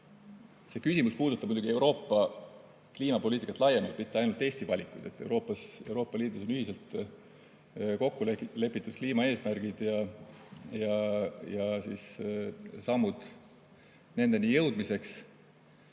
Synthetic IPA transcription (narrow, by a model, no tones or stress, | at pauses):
se̞kysimuspuːd̪ut̪ːˑɑb̥̚mud̪uɡ̥ie̞uwɾo̞ːpːˑɑ | kliːmɑpo̞lʲiːt̪ikɑt̪lɑjemɑlt̪pmit̪ːˑeɑjnult̪e̞ːsʲt̪ivɑlʲikˑːujd̪̥e̞t̪ːˑe̞̰wɾo̞ːpˑːɑse̞uɾo̞ːpːˑɑliːd̪uso̞nyhise̞lt̪ | ko̞kːulele̞pːˑit̪ːˑud̪̥̚kliːmɑe̞ːsmærɡ̥id̪̥jɑ | jɑjɑsiːs | sɑmːud̪̥ | ne̞nd̪e̞niːjɤwd̪̥mise̞ks